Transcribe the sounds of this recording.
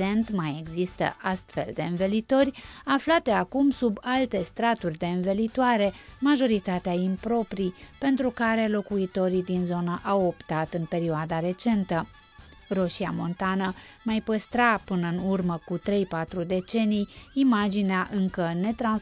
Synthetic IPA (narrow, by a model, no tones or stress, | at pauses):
e̞nt̪majeɡzist̪ə̰ʔast̪fe̞̰ld̪e̞ɨnvelit̪o̞rʲaflat̪e̞akumsubalt̪e̞st̪ɾat̪urʲd̪e̞ɨnvelit̪oaɾe̞maʒo̞ɾit̪at̪eaimpɾo̞pɾipe̞nt̪ɾukaɾe̞lo̞kuit̪o̞ɾid̪inzo̞nəʔawo̞pt̪at̪ɨnpe̞ɾioad̪aɾe̞t͡ʃe̞nt̪ə | ro̞ʃiamo̞̰nt̪anə | majpəst̪ɾapɨnəɨnurməkut̪ɾe̞jpat̪ɾud̪e̞t͡ʃe̞nijimad͡ʒineaʔɨŋkəne̞t̪ɾan